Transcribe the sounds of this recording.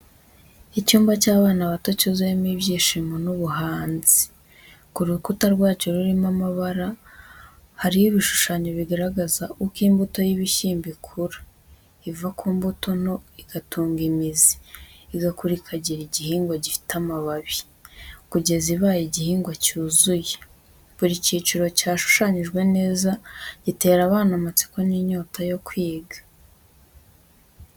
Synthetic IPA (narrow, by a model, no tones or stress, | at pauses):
icuːmbacaːβaːnaβato̞cuzujemiβjiːʃimonuβuɦaːnzi̥ | kuɾukutaɾɡwaːt͡ʃo̞ɾuɾimamaβaɾa | haɾijiβiʃu̥ʃaːɲoβiɡaɾaɡazaʔukiːmbuto̞jiβiʃiːmbikʰuɾa | ivakʰuːmbuto̞no̞iɡ̥atʰuːŋɡimizi̥ːɡakuɾikʰaɟiɾiɟihiːŋɡwaɟifi̥tamaβaβi | kuɟe̞ziβaːjiɟihiːŋɡwacuːzuje | βuɾiciːt͡ʃuɾo̞caːʃu̥ʃaɲiʒɡwe̞ne̞ːzaɟ̥ite̞ːɾaβaːnamat͡si̥ko̞niɲoːtʰajo̞kwiːɡḁ